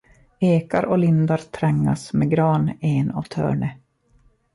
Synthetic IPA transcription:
eːkaɾɔlɪnd̪aɾt̪ʰɾɛŋːa̰smɛɡɾɑːnenɑ̰vt̪ʰœ̰ːɳə

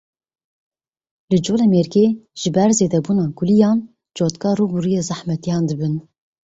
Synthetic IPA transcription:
lɨd͡ʒoːlɛmeɾɡeʒ̥ɨbɛɾzeːd̪ɛbuːnɑːɡulijɑːn | d͡ʒoːt̪kɑːɾuːbuɾijeːzæħmɛt̪ijɑːnd̪ɨbɨn

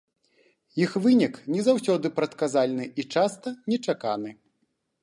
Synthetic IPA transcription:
jixvɨnʲiknʲɛzawsʲɔd̪ɨpɾɐt̪kazalʲnɨʔit͡ʂast̪ɐnʲɛt͡ʂakanɨ

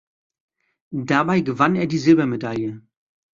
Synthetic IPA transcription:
dabaɪɡəvaneːɐdiːzɪlbɐmedaljə

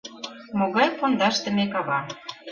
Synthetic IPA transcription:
moɣɑjpond̪ɑʃt̪ə̆mekɑβɑ

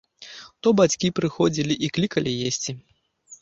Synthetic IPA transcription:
t̪ɔbat͡sʲkʲipɾɨxɔd͡zʲilʲiʔiklʲikɐlʲijesʲt͡sʲi

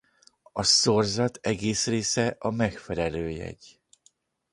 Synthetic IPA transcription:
ɒsorzɒt̪ɛɡeːsreːsɛʔɒmɛkfɛlɛløːjɛ̰ɟ

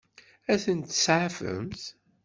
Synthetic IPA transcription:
æθənt̪ːsʕafə̰mθ

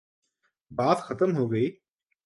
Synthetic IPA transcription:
baːt̪xʰɐt̪əmɦoːɡəiː

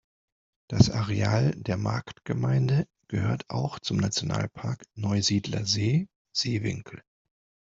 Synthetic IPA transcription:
d̥asʔaʁeaːldeːɐma̰ɐktɡ̥əmaɪndə | ɡ̥əhøːɐtʰʔa̰ʊxt͡sʊmnat͡sjona̰ːlpʰaɐknɔʏziːdlɐ̰zeː | z̥eːvɪ̰ŋkʰl̩

